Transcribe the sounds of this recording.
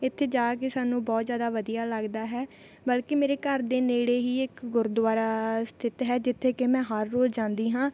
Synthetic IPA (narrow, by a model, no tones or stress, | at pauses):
ɪt̪ʰːeːd͡ʒaːkeːsaːnũːbɔːt̪zjaːd̪aːʋəd̪ijaːləɡd̪aːɦɛː | bəlkemeːɾeːkəɾd̪eːneːɽeːɦiːɪkɡʊɾd̪ʊʋaːɾast̪ʰɪt̪ɦɛːd͡ʒɪt̪ʰːeːkemɛ̃ːɦəɾːoːd͡ʒd͡ʒãːnd̪iːɦãː